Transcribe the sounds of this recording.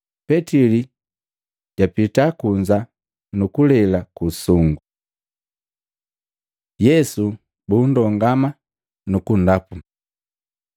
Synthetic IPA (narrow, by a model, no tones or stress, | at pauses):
pɛtili | ɟapitakuɲd͡ʒa | nukulɛlakusuŋɡu | jɛsu | bundɔŋɡama | nukun̩dapu